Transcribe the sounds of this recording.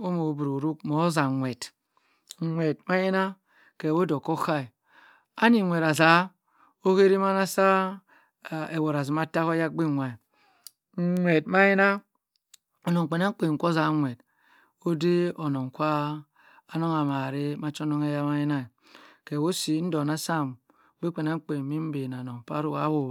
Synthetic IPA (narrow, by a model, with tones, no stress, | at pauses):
o˦mo˨˦bu˨ɾo˨ɾu˦k̚mo˨˦za˨ŋʷe˨t̩˨ | ŋʷe˨t̚ma˦ji˦na˦ | ke˨wo˦do˨kːo˦xa˦i˨ | a˦ni˨ŋʷe˨ɾa˨za˨˦ | o˦ke˦ɾi˦ma˦na˦sa˦˨ | e˨wo˨ɾa˨zi˨ma˦ta˦ko˦ja˦k̚ɡ͡bi˦˨ŋʷa˨i˨ | ŋʷe˨tma˦ji˦na˦ | ɔ˨no˨k͡pe˨na˦k͡pe˨ŋ̩˨kʷo˦za˨˦ŋʷe˨d | o˦de˦o˨nɔ˨ŋ˨kʷaː˦ | nɔ˦ŋa˨ma˨ɾe˦ma˦t͡ʃo˦nɔ˦ŋe˦ja˦ma˦ji˦na˦i˨ | kɛ˨wo˦si˨˦n̩˦dɔ˨na˦sa˦˨m˦ | be˦k͡pe˨na˦ŋ̩˦k͡pe˨mi˦m̩˦be˨n˨a˨nɔ˨m˨pa˦ɾu˦˨ka˦wo˨